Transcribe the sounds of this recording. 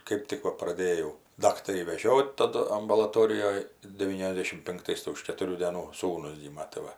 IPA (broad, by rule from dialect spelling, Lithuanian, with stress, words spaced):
ˈkɜp tʲɪk ˈʋɐ prɐˈdʲeːjɛʊ ˈdɑːktɐrʲiː ʋʲɛˈʒʲoːt tɐˈdʊ ɐmbʊlˠɐˈtoːrʲɪjoːj dʲɛˈʋʲiːnʲɛzʲˌdʲeːʃʲɪm pʲɪŋkˈtɐɪs tɐɪ ʊʃ kʲɛtʊˈrʲuː dʲeːˈnuː ˈsuːnʊs ˈɡʲiːmɐ tɐɪ ˈʋɐ